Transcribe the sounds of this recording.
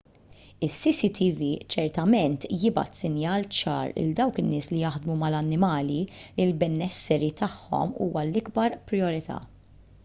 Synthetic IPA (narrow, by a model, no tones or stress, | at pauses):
ɪsːisit̪ʰivit͡ʃɛɾt̪ɐmɛnt̪jɪbɐ̰t̪sɪnjɐːlt͡ʃɐ̰ːɾɪ̰ld̪ɐwkɪnːɪːslijɐħd̪mumɐlɐnːɪmɐːlilɪlbɛnːɛsːɛɾit̪ɐħːɔ̰mṵːwɐlːɪɡbɐɾpɾɪɔɾɪt̪ʰɐ̰ː